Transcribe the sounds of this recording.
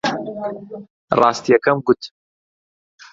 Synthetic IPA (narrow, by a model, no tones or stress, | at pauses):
rɑːst̪ijɛkɐmɡʊt̪